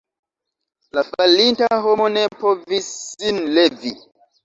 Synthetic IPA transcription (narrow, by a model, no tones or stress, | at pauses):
lafalintaɦomonepʰovisinlevi